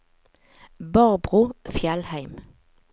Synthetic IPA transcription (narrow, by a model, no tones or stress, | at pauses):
bɑːʁbʁʉːfjɛlhæɪm